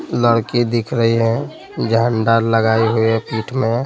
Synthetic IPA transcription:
ləɽkid̪ikʰɾəɦiɦɛ̃ | d͡ʒaɳɖaɾləɡaːiɦuipiːʈʰmẽ

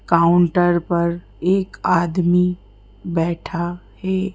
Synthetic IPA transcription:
kaːʊ̃ɳʈəɾpɐɾ | eːkaːd̪mi | bɛːʈʰa | hɛː

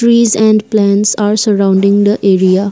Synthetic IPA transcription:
ɾizɛ̃ɳɖplɛ̃nʈsaːɾsəɾãʊ̃ɳɖĩŋd̪əʔeɾia

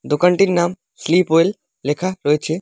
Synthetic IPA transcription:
d̪okəɳʈinnaːm | sliːpɦoelː | ekʰaɾojt͡ʃʰe

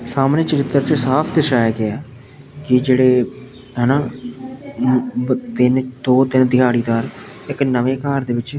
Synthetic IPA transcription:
saːmneːt͡ʃəɾɪt̪ːəɾt͡ʃəsaːpʰd̪əʃaːjaːɡɪaː | kɪd͡ʒeːɽeː | ɦəːnaː | t̪ɪnd̪oːt̪ɪnd̪ɪɦaːɽiːd̪aːɾ | ɪknəʋeːkaːɾd̪eːʋɪt͡ʃ

